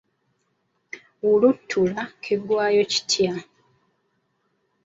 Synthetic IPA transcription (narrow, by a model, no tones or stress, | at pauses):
ulutʰːulakʰiɡwaːjo̞ci̥tʰja